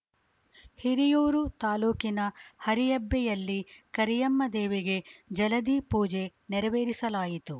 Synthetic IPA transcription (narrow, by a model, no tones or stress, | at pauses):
hiɾijoːɾut̪aːluːkinɐhɐɾijɐbːɛjɐlːikɐɾijɐmːɐd̪eːʋeɡe̞d͡ʒɐlɐd̪iːpuːd͡ʒe̞nɛɾɐʋeːɾisɐlaːjit̪u